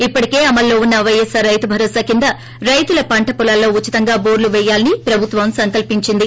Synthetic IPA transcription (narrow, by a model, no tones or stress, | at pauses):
ipːɐʈike̞ːɐmɐlːo̞ːunːɐʋɐjesaɾɐjt̪ubʱɐɾoːsaːkind̪ɐ | ɾɐjt̪ulɐpɐɳʈɐpɔlɐlːo̞ːut͡ʃːit̪ɐŋɡaːboːɾluʋɛjːaːlɐnipɾɐbʱut̪ʋɐmsɐŋkɐlpiɲt͡ʃind̪i